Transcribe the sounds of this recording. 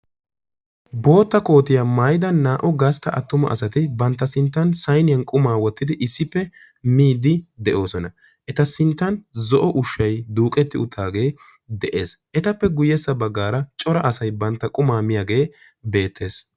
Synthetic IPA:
bo̞ːt̪ːɐko̞ːt̪ɪjamaːjd̪ɐnːaːʔɔɡɐst̪ːɐʔɐt̪ːʊmɐ̰ʔɐ̰sɐt̪ɪbɐnt̪ːɐsɪnt̪ːɐnsɐjnɪjɐnkʼʊmaːwɔt̪ːɪd̪ɪʔɪsːɪpːɛ | miːd̪ɪd̪ɛʔo̞ːsɔnɐ | ʔɛt̪ɐsɪnt̪ːɐnzɔʔɔʔʊʃːɐjd̪uːkʼɛt̪ːɪʊt̪ʰːaːɡe̞ː | d̪ɛʔe̞ːsʔɛt̪ɐpːɛɡʊjɛsːɐbɐɡːaːɾɐt͡ʃʼɔɾɐʔɐsɐjbɐnt̪ːɐkʼʊmaːmɪjaːɡe̞ː | be̞ːt̪ːe̞ːs

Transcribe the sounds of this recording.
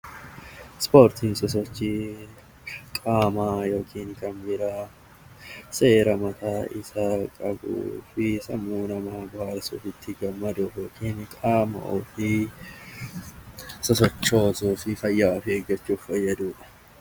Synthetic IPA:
spoːɾt̪ʰiːnsɔs̬ɔt͡ʃːi | kʼaːmaːjo̞ːkʰiːnkɐnbɪɾaː | se̞ːɾɐmɐt̪aːʔɪ̰saːkʼɐbṵːfɪsɐmːuːnɐmaːbɐhɐɾsṵːfɪt̪ʰːɪɡɐmːɐd̪uːjoːkʰiːnkʼaːmɐ̰ʔofɪ | sɔsɔt͡ʃːo̞ːsuːfɪfɐjːaːfɪeːɡːɐt͡ʃːuːfːɐjːɐd̪uːᶑɐ̥

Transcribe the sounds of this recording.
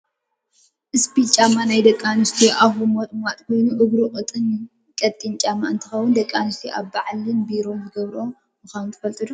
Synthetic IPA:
ʔɨspit͡ʃʼamanajd̪ɐkʼːanɨst̪ʰiʔaβumot̪ʼmat̪ʼkʰo̞jnuʔɨβɾuqʼɨt̪ʼɨn | kʼɐt̪ʼːint͡ʃʼamːaɨnt̪ʰɨxɐwʊnd̪ɐkʼːanɨst̪ʰiʔaβbaʕlɨnbiɾomɨɡɐβɾo̞ | mɨxant̪ʰɨ̥fɐlt̪ʼɨd̪u

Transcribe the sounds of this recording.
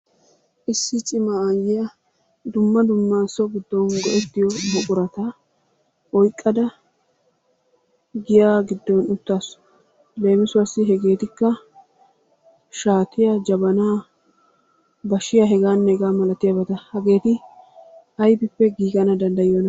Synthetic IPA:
ʔɪsːɪt͡ʃʼɪmaajɪjɐ | d̪ʊmːɐd̪ʊmːaːsɔɡɪd̪ːɔnɡɔʔɛt̪ːɪjɔbɔkʼʊɾɐt̪ɐ | ɔjkʼːɐd̪ɐ | ɡɪjaːɡɪd̪ːɔnʊt̪ːaːsʊ̥ | le̞ːmɪsʊwasːɪɦɛɡe̞ːt̪ɪkːɐ | ʃaːt̪ɪjad͡ʒɐbɐnaː | bɐʃɪjaɦɛɡaːnːɛɡaːmɐlɐt̪ɪjaːbɐt̪ɐhɐɡe̞ːt̪ɪ | ʔɐjbɪpːɛɡiːɡɐnɐd̪ɐnd̪ɐjjɔnɐ

